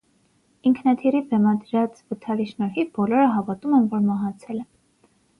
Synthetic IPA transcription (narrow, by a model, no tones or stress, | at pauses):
iŋkʰnɑt̪ʰiɾibɛmɑd̪ɾɑt͡svət̪ʰɑliʃnɔɾɦibɔlɔɾəɦɑvɑt̪umɛnvɔɾmɑɦɑt͡sʰɛlɛ